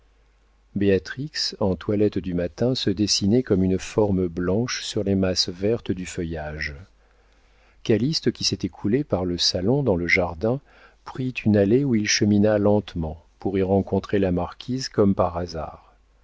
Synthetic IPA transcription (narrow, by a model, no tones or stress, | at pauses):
beat̪χiksɑ̃t̪walɛt̪d̪ymat̪ɛ̃səd̪esinɛkɔmynfɔʁmblɑ̃ʃsyʁlemasvɛʁt̪d̪yfəjaʒ | kalist̪əkʲiset̪ɛkʰulepaʁləsalɔ̃d̪ɑ̃ləʒaʁd̪ɛ̃ | pχit̪ʰynaleuilʃəminalɑ̃t̪mɑ̃puʁiʁɑ̃kɔ̃t̪χelamaʁkʲʰizkɔmpaʁaza̰ːʁ